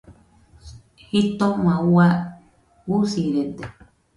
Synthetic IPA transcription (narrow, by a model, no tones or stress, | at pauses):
hit̪õŋãua | usiɾed̪e